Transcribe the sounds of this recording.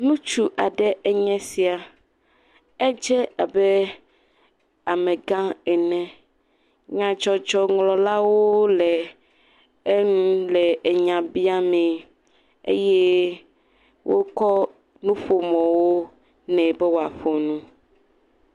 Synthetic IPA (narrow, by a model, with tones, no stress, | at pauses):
nũ˦t͡ʃu˦ʔa˨ɖɛ˦ʔɛ˦ɲɛ̃˦si˨a˨ | ɛ˦d͡ʒɛ˦a˨bɛ˦ | a˨mɛ̃˨ɡã˦ɛ˨nɛ̃˦ | ɲã˨d͡ʒɔ˦d͡ʒɔ˦ŋlɔ̃˨la˦wo˦lɛ˨ | e˦nũ˦lɛ˨e˨ɲã˨bi˦a˦mɛ̃˨ | ḛ˦jɛ˦ | wʔo̰˦kɔ˦ | nũ˦ɸo˨mɔ̃˨wo˦ | nɛ̃˨bɛ˦wo˨a˨ɸo˨nũ˦